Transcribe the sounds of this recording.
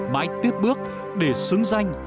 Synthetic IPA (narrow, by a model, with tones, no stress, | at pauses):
ma̰ː˧˥jt̪i˦˥əp̚ɓɨ˦˥ək̚ | ɗe˧˩sɨ˨˦əŋza˧jŋ̟